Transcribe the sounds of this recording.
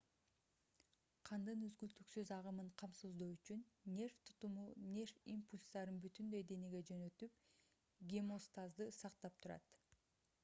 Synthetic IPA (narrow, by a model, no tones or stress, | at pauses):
qʰɑnd̪ɯnyzɡylt̪yksøzɑʁɯmɯɴqʰɑmsuzd̪oːyt͡ʃynnʲe̞rft̪ʰu̥t̪umunʲe̞rfimpulʲst̪ɑɾɯnbyt̪ynd̪ø̞jd̪e̞neɡed͡ʒø̞nø̞t̪yp | ɡʲemo̞st̪azd̪ɯsɑqt̪ɑp̚t̪ʰuɾɑ̰t̪